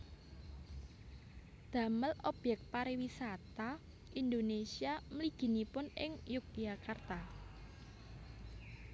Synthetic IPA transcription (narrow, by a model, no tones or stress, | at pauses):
d̪̥ä̤məlɔb̥jɛk̚t̪̚paɾiwisat̪a | ʔind̪onesiaməliɡ̥i̤nipʊnɪŋjuk̚ijakart̪a